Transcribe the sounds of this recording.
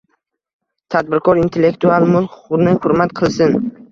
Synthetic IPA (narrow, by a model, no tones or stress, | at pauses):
t̪ʰad̪̚bɪɾkʰɒɾint̪ʰe̞lːe̞kt̪ʰualˠmʊlˠʊʊɾnɪhʊɾmat̪qʰɨlˠsɪn